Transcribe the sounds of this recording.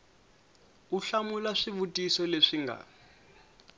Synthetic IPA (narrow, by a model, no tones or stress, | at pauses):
uɬamulaʂiβutʼisɔleʂiŋɡʱa̰